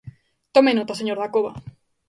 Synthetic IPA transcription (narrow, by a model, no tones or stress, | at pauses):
t̪omenot̪aseɲoɾðakoβa